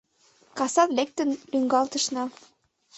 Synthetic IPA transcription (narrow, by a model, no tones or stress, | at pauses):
kɑsɑt̪lek̚t̪ə̆nlyŋɡɑlt̪ɤ̆ʃnɑ